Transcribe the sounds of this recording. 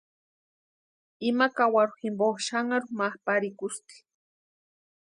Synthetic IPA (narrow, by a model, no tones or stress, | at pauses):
ɪmakawaɾʊximboʃaŋaɾʊmahpaɾɪkʊst̪i̥